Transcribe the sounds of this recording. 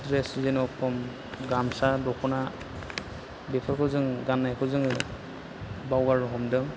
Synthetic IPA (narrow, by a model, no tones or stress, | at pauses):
dɾeszenɔpʰɔm | ɡamsadɔkʰɔna | bepʰaɾkʰɯzɯŋɡanːajkʰɯzɯŋɯ | bawɡaɾɦɔmdɯŋ